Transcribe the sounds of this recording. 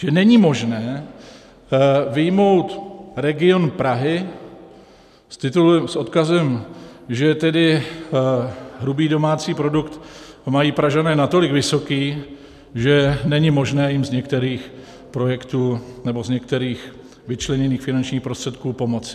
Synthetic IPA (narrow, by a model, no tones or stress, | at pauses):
ʒɛnɛɲɪmo̞ʒnɛː | vɪjmo̞wt̪ɾɛɡɪonpɾaɦɪ | st̪ɪt̪ulɛmsʔo̞t̪kazɛmʒɛt̪ɛdɪ | ɦɾubiːdo̞maːt͡siːpɾo̞dukt̪majiːpɾaʒanɛːnat̪o̞lɪɡvɪso̞kiː | ʒɛnɛɲɪmo̞ʒnɛːjɪmzɲɛkt̪ɛɾiːx | pɾo̞jɛkt̪uːnɛbo̞zɲɛk̚t̪ɛɾiːx | vɪt͡ʃlɛɲɛniːxfɪnant͡ʃɲiːxpɾo̞st̪r̥ɛt̪kuːpo̞mot͡sɪ̥